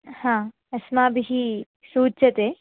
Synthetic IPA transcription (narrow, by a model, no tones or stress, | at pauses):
hãː | ɐsmaːbiɦi | suːt͡ʃɐt̪eː